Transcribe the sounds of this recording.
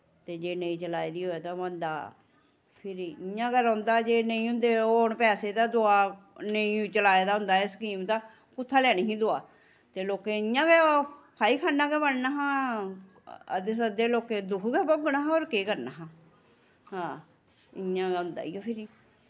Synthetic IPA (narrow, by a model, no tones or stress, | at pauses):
t̪eːd͡ʒeːnəĩːt͡ʃəlaːed̪iːɦoːeːt̪ãːbənd̪a̰ː | pʰɪɾiɪjãːɡəɾãːnd̪aːd͡ʒeːnəĩːɦʊ̃nd̪eːoːɳpɛːseːd̪aːd̪oaː | nəĩːt͡ʃəlaːeːd̪aːɦʊ̃nd̪aːeskiːmt̪ãː | kʊt̪ʰːaːlɛːniːɦĩːd̪oa̰ː | t̪eːloːkeːɪjãːɡeːpʰaːiːkʰaːnːaːɡɛːbəɳnaːɦãː | ə̰d̪esəd̪eːloːkeːd̪ʊkʰɡɛːpoɡnaːɦoːɾkeːkəɾnaːɦãː | ɦãː | ɪjãːɡɛːɦʊ̃nd̪a̰ːĩːpʰɪɾiː